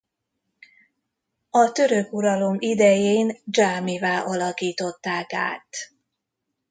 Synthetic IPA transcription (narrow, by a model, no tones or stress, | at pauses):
ɒt̪ø̞ɾøkuɾɒlo̞mid̪ɛjeːnd͡ʒaːmivaːʔɒlɒkiːt̪o̞t̪ːaːka̰ːt̪